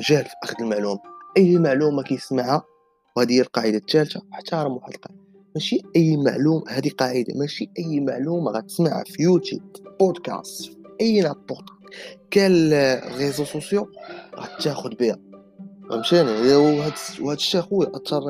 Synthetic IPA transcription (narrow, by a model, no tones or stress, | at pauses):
ʒælfiʔæxəd̪əlmaʕlumaʔəjːmaʕlumakæjəsmaʕha | whæd̪ijːælqɑʕəd̪at̪ːælt̪awħḁt̪ːɑɾˤɑmwħəd̪əlqɑʕəd̪a | mæʃiʔəjːma̰ʕlumahæd̪iqɑʕəd̪a̰mæʃiʔəjːmaʕluma̰ɣæt̪ə̥smaʕa̰fijut̪ṵbb̥od̪kæ̰st̪fiʔəjːnæpːot̪kælɣezosusjuɣæ̰t̪ːæxʊd̪̚bəhæ | wæ̰mʃænjħəd̪whəd̪əʃːæxuʔɑt̪ːɑɾˤ